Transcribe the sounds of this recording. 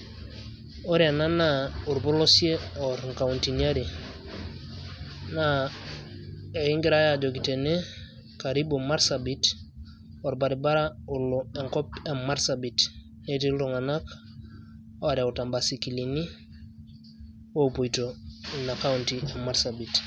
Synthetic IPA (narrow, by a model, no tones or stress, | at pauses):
oɾiananauɾbɔlosieɔɾŋkauntiniaɾi | na | eiŋɡiɾajad͡ʒokitene | kaɾibomaɾsabit | oɾbaɾibaɾauloeŋkɔpemaɾsabit | netiluŋanak | oaɾjautambasikilini | wopojtoinakauntiemaɾsabit